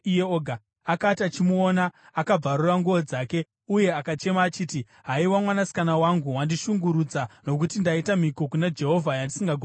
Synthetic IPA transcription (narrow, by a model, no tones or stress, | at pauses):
jeoːɡʱa | akatat͡ʃimuona | akab͡varuraŋɡuʋod͡zaːke̞ | uje̞akat͡ʃe̞maːt͡ʃiːti | ɦaiwamwanasi̥kanawaŋɡuwandiʃuŋɡuɾud͡zano̞kutindaitamiko̞kunad͡ʒe̞ɦo̞vʱajandisiŋɡaɡʱ